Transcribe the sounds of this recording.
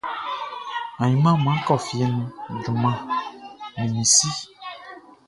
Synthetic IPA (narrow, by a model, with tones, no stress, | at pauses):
ã˨ɲĩ˨˦mã˦˨mã˨˦kɔ˦˨fi˨ɛ˨nũ˨du˨mã˨ | mĩ˨mĩ˨si˦